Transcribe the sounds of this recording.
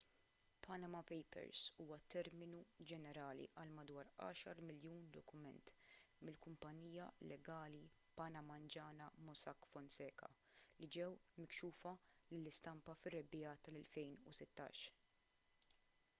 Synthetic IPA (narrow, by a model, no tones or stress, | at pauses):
pʰɐnɐmɐpɛjpɛ̰ɾsuːwɐt̪ːɛɾmɪnud͡ʒɛnɛɾɐːlḭʔɐlmɐd̪wɐːɾɐ̰ːʃɐɾmɪljuːnd̪ɔkʊmɛnt̪ | mɪlkʊmpɐniːjɐlɛɡɐːli | pɐnɐmɐnd͡ʒɐːnɐmɔsɐkːfɔnsɛːkɐ̰ | lid͡ʒɛwmɪkʃuːfɐlɪlːɪst̪ɐmpɐfɪrːɛbɪjɐt̪ɐlɛlfɛjnusɪt̪ːɐ̰ːʃ